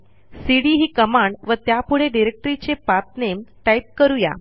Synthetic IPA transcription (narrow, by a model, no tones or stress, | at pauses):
siɽiɦiːkəmaɳɖʋət̪japuɽeɖiɾek̚ʈɾit͡ɕepap̪̚nemʈaip̚kəɾuja̰